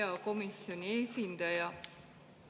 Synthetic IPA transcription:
ɑko̞misjonʲieːsʲind̪̥ɑjɑ

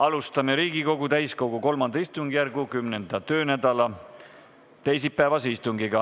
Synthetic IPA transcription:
ɑlust̪ɑme̞ɾiːɡ̥iko̞ɡut̪æjsko̞ɡ̥uko̞lmɑnd̪ɑist̪uŋɡ̥ijærɡukymnend̪̥ɑt̪ø̞ːnæd̪̥ɑlɑ | t̪e̞jsipːæːvɑsist̪uŋɡ̥iɡ̥ɑ

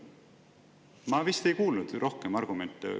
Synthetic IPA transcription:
mɑvist̪e̞jkuːlnud̪̥rʔo̞hkemɑrɡ̥ume̞nt̪ːˑḛ

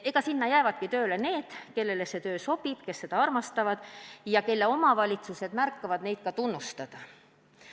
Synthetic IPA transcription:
e̞ɡ̥ɑsinːɑjæevɑd̪̥̚kit̪øːle̞ne̞ːd̪̥ke̞lːe̞lese̞t̪ø̞ːso̞b̥id̪̥ke̞sːe̞d̪̥ɑɑrmɑst̪ɑvɑd̪̥jɑke̞lːe̞o̞mɑvɑlʲit̪suse̞d̪̥mærkːɑvɑd̪̥ne̞jt̪̚kɑt̪unːust̪ɑd̪̥ɑ

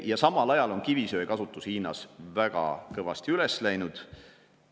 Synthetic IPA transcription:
jɑsɑmːɑlɑjɑlo̞nkivisø̞ːekɑsut̪ːˑushiːnɑ̰svæɡ̥ɑ̰kɤvɑst̪iyleslæjnud̪̥

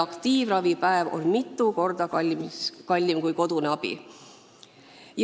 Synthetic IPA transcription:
ɑkt̪iːvrɑvipæevo̞̰nmit̪ˑːuko̞rd̪̥ɑkɑmkɑlʲːimkujko̞d̪̥uneɑb̥ḭ | j

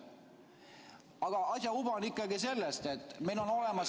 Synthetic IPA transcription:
ɑɡ̥ɑʔɑsʲjɑub̥ɑnikːˑɑɡise̞lːest̪e̞t̪ːˑmejlo̞no̞le̞mɑs

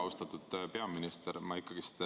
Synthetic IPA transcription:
ust̪ɑt̪ud̪̥pe̞ɑminist̪eɾmɑikːɑɡ̥ist̪

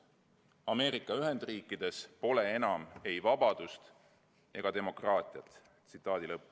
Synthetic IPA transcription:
ɑme̞ːɾikˑːɑyɦe̞nd̪̥riːkːˑid̪̥e̞spo̞le̞e̞nɑme̞jvɑbɑd̪̥ust̪ | e̞̰ɡ̥ɑd̪e̞mo̞krɑːt̪ʲˑiɑt̪ːˑ | sit̪ˑːɑːd̪̥ilɤpːu

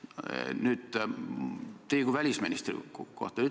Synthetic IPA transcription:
nyt̪ | t̪eiɡ̥uvælʲisminist̪rḭko̰ht̪ɑy

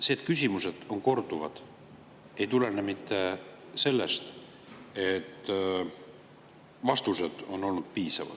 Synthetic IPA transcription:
seːd̪kysʲimuse̞d̪̥o̞nko̞rd̪̥uvɑ̰d̪̥ | e̞jt̪ulenemit̪ːe̞ | se̞lːest̪ | et̪ː | vɑst̪use̞d̪̥o̞nːo̞lnud̪̥̚piːsɑ̰vɑ̰d̥̪

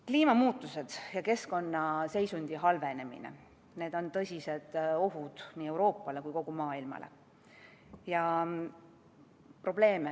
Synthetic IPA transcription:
kliːmɑmuːt̪ːˑuse̞d̪̥jɑke̞sko̞nːɑse̞jsunʲd̪̥iɦɑlve̞ne̞mḭnḛ | ne̞ːd̪̥o̞nt̪ɤ̞sʲise̞d̪̥o̞ɦud̪̥niːe̞uwɾo̞ːpːˑɑle̞kujko̞ɡ̥umɑːilmɑ̰lḛ | jɑ | pro̞b̥le̞ːme

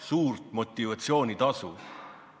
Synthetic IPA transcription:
suːrt̪mo̞t̪ʲːˑivɑt̪sio̞ːnʲit̪ɑsu

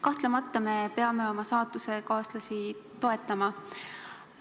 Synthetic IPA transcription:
kɑht̪lemɑt̪ːɑme̞peɑme̞o̞mɑsɑːt̪ːˑuse̞kɑːslɑsit̪o̞e̞t̪ˑːɑmɑ

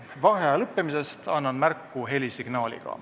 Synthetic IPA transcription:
vɑɦeɑlɤpːe̞mise̞st̪ɑnːɑnmærkːuɦe̞lʲisiɡ̥nɑːlʲḭɡ̥ɑ̰

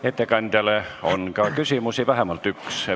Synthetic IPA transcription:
et̪ːekɑnt̪ʲɑleonkɑːˑkysiˑmusiʋæhæmɑlt̪ykse

